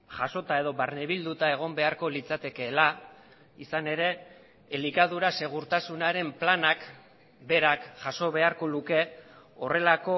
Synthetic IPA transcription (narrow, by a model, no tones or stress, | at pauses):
ʝaso̞t̪ae̞ð̞o̞βaɾneβild̪ut̪ae̞ɣ̞o̞mbe̞aɾko̞lit͡sat̪e̞ke̞ːla | isane̞ɾe̞ː | likaðuɾase̞ɣ̞uɾt̪asunaɾe̞mplanak | be̞ɾakʝaso̞βe̞aɾko̞luke̞ | ore̞lako̞